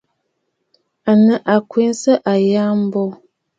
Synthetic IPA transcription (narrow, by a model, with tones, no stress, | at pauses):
a˨nə˨ʔa˨kwi˦n˦sə˦ʔa˨ja˦m̩˦bɔ˦